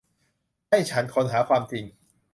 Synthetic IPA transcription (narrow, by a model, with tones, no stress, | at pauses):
ha˥˩jt͡ɕʰa˦˥nkʰo˧nɦaː˩˦kʰwaː˧mt͡ɕi˧ŋ